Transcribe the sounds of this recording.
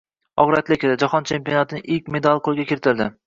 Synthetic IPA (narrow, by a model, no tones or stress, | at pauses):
ɒʁɾat̪lɪkʲɪd̪ad͡ʒɒhɒnt͡ʃʰe̞mpijonat̪ʰɪnɪʔɪk̚ʲme̞d̪alʲˠqolˠɡʲakʲʰeɾɪt̪ʰɪɾd̪ɪ